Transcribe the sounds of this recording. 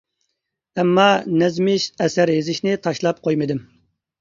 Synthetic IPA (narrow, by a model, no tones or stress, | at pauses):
ɛmːɑnɛzmɪʃɛsæɾezɪʃnɪt̪ʰɑʃlˠɑp̚qʰojmɨd̪ɪm